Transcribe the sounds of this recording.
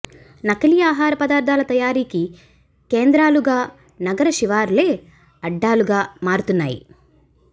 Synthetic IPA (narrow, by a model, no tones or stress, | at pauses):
nɐkɐlijaːɦaːɾɐpɐd̪aːɾd̪ʱaːlɐt̪ɐjaːɾiːki | keːnd̪ɾaːluɡaː | nɐɡɐɾɐʃiʋaːɾle̞ː | ɐɖːaːluɡaːmaːɾut̪unːa̰ːjḭ